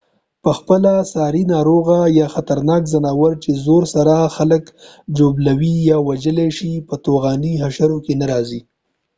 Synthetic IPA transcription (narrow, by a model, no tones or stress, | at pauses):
pəxpəlasɑɾinɑɾoɣajɑxat̪aɾnɑkzanɑwəɾt͡ʃezoɾsaɾaxalək | d͡ʒoblawijɑwad͡ʒəleʃipət̪oɣɑniɦaʃaɾokenaɾɑzi